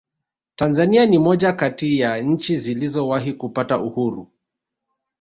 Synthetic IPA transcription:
tanzanianimɔʄakatijaɲ̩t͡ʃizilizɔwaɦikupatauhuɾu

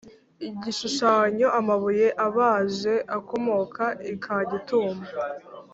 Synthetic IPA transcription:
iɟiʃuʃaːɲo̞ʔamaβuje̞ʔaβaːʒe̞ʔako̞mo̞kʰaikʰaɟituːmba

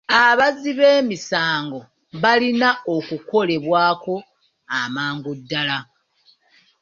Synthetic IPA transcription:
aβaziβe̞ːmisaːŋɡo̞ | βalinao̞kuko̞le̞βwaːko̞ | amaːŋɡudːala

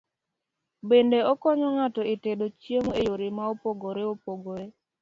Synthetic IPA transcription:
bendeɔkɔɲɔŋatɔetedot͡ʃiemejoɾemaopoɡoɾeopoɡoɾe

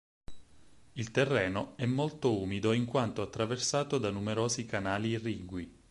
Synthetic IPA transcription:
ilt̪erːɛːnoɛmːolt̪ouːmid̪oiŋkwant̪oat̪ːɾaversaːt̪od̪anumeɾoːzikanaːlirːiːɡwi

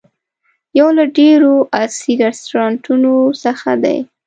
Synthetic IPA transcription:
jawlaɖeɾoʔasiɾast̪oɾɑɳʈunosəxad̪a̰j

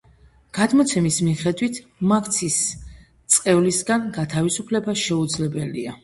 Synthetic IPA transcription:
ɡ̥ad̪mɔt̪sʰɛmismiχɛd̪wit̪ʰmakʰt̪sʰis | t̪sʼqʼɛvlisɡanɡat̪ʰavisupʰlɛbaʃɛud̪zlɛbɛlḭa̰

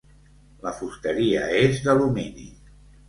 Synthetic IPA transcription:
ləfust̪əɾiəezðəluminḭ

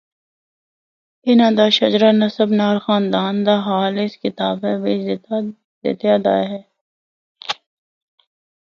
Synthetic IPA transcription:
ɪnãːd̪aːʃɐd͡ʒɾanɐsəbnaːɾxaːnd̪aːnd̪aːɦaːlɪskɪt̪aːbɛbe | d̪ɪ̰t̪ɪjaːd̪a̰ːɦɛː

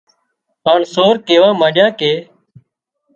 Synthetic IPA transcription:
paːɳsoːɾkeːʋãːmaːɗjãːkeː

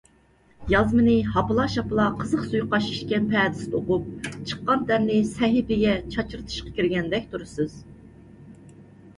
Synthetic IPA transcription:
jɑzmɨnɨɦɑpɨlˠɑʃɑpɨlˠɑqʰəzəχsujqɑʃi̥ʃkʲɛnpʰɛːd̪ɪst̪oqup̚t͡ʃʰə̥qːɑnt̪ʰɛɾnɪsɛɦɪpɪɡʲɛt͡ʃʰɑt͡ʃɨɾt̪ʰɨ̥ʃqɑ̥kʲiɾɡʲɛnd̪ɛkʲt̪ʰuɾɨsɨz̥

